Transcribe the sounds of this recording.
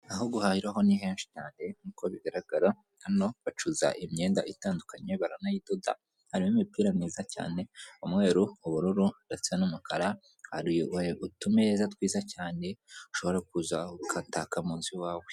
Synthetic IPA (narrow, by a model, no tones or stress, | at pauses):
aɦoɡuhaːhiɾaɦo̞niɦe̞ːnʃi̥caːne̞nukoβiɡaɾaɡ̥aɾa | hano̞βat͡ʃuza̰ʔimɲe̞ːnda̰ʔitaːndukaɲe̞βaɾanajidoda̰ | haɾimomipiːɾaniːzaca̰ːne̞umŋe̞ːɾuuβuɾuɾudat͡sienumukʰaɾa | haɾijweutumezatwiːzacaːne̞uʃo̞βo̞ɾak̚uzaukʰantakamuːnziwaːwe